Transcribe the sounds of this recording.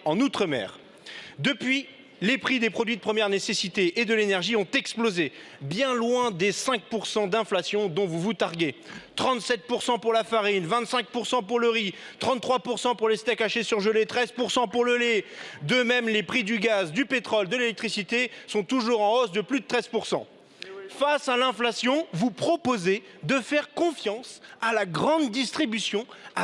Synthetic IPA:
ɑ̃nut̪χəmɛ̰ːʁ | d̪əpɥi | lepχid̪epχɔd̪ɥid̪əpχəmjɛʁnesesit̪eʔːd̪əlenɛʁʒiɔ̃t̪ɛksploze | bjɛ̃lwɛ̃d̪esɛ̃k̚puʁsɑ̃d̪ɛ̃flasjɔ̃d̪ɔ̃vuvut̪aʁɡet̪χɑ̃t̪sɛt̪̚puʁsɑ̃puʁlafaʁinvɛ̃t̪sɛ̃k̚puʁsɑ̃puʁləʁit̪χɑ̃χwapuʁsɑ̃puʁlest̪ɛkaʃesyʁʒəlet̪χɛzpuʁsɑ̃puʁləled̪əmɛmlepχid̪yɡazd̪ypet̪χɔld̪əlelɛk̚t̪χisit̪esɔ̃t̪uʒuʁɑ̃ɔsd̪əplyd̪ət̪χɛz̥puʁsɑ̰̃ | fasalɛ̃flasjɔ̃vupχɔpoze | d̪əfɛʁkɔ̃fjɑ̃salaɡʁɑ̃d̪ːist̪χibysjɔ̃a

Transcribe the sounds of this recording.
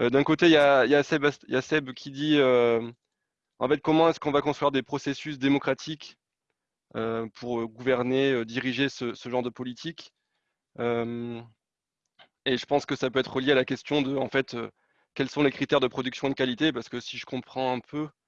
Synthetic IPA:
ød̪ɛ̃kot̪ejajasɛbasjasɛbkʲid̪iø | ɑ̃fɛt̪̚kɔmɑ̃ɛskɔ̃vakɔ̃st̪χyaʁd̪epχɔsesys̬d̪emɔkχat̪ʰik | øpʰuʁøɡuvɛʁneød̪iʁiʒesəsəʒɑ̃ʁd̪əpɔlit̪ʰik | øm | eʒəpɑ̃skəsapøɛt̪χəəljealakʲɛst̪jɔ̃d̪əɑ̃fɛt̪ø̰ | kʲɛlsɔ̃lekχit̪ɛʁd̪əpχɔd̪yksjɔ̃ed̪əkalit̪epaʁsə̥kəsiʒəkɔ̃pχɑ̃ɛ̃pʰø

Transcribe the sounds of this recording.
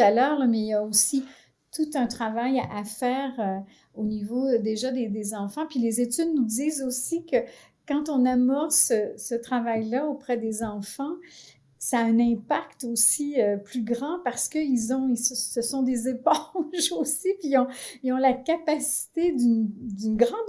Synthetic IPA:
alœːʁlamɛijaosi | t̪ut̪ɛ̃t̪χavajaʔafɛːʁø | onivod̪eʒad̪ed̪ezɑ̃fɑ̃pɥilezet̪yd̪̚nud̪iːzosikə | kɑ̃t̪ɔ̃namɔʁsəsət̪χavajlaopχɛd̪ezɑ̃fɑ̃ | saːɛ̃nɛ̃pakt̪osiøplyɡʁɑ̃paʁsə̥kəilzɔ̃isəsəsɔ̃d̪ezepɔ̃ʒosipiɔ̃iɔ̃lakʲapasi̥t̪ed̪ynd̪ynɡʁɑ̃d̪

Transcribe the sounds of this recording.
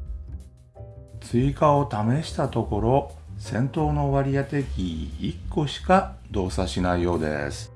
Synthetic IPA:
t͡sɨikao̞t̪ame̞ɕi̥t̪at̪o̞ko̞ɾo̞sẽ̞nt̪o̞ːno̞βaɾʲijat̪e̞kʲiːkːo̞ɕi̥kad̪o̞ːsaɕinaijo̞ːd̪e̞̰sɨ̥

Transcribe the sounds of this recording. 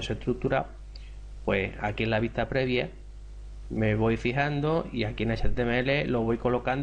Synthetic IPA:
seht̪ɾuk̚t̪uɾaw | pwe̞a̰kienlaβ̞iht̪apɾe̞βja | me̞βo̞jfiɦand̪oiakienat͡ʃent̪emele̞lo̞β̞o̞jko̞lo̞kand̪

